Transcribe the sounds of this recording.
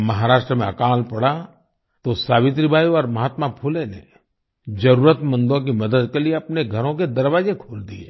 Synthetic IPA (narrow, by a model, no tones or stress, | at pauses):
mɐɦaːɾaːʃʈɾəmẽɐkaːlpɐɽa | t̪osaːʋɪ̃t̪ɾibʱaːjuɔːɾmɐɦaːt̪mapʰulenḛ | d͡ʒɐɾuːɾət̪mə̃nd̪õk̬imɐd̪əd̪kelieɐpneɡʱɐɾõk̬ed̪ɐɾʋaːzekʰoːld̪iḛ